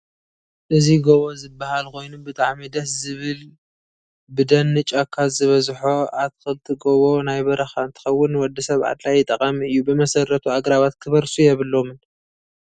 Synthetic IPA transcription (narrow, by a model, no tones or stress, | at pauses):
ʔɨziɡoβo̞zɨbːahalko̞jnubɨt̪ʼaʕmid̪ɐszɨβɨl | bɨd̪ɐnːɨt͡ʃʼakʰːazɨβɐzħoʔatkɨlt̪ʰiɡoβo̞najβɐɾɐxaɨnt̪ʰɨ̥xɐwːʊnːwɔd̪ːɨsɐβʕa̰d̪lajɪt̪ʼɐkʼɐmiɨjːubɨmɐsɐɾɐt̪ʰuaɡɾaβat̪kʰɨβɐɾsujɛβɨlo̞mɨn